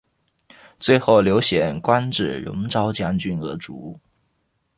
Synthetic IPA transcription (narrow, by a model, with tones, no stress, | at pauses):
t͡swe˥˧ɪxo˥˩ʊljo˧˥ʊɕjɛ˨˩nkwa˥nʈ͡ʂɻ̩˥˩ɻʊ̰˧˥ŋʈ͡ʂɑ˥ʊt͡ɕja˥nt͡ɕy˥nɤ˧˥ʈ͡ʂu˧˥˩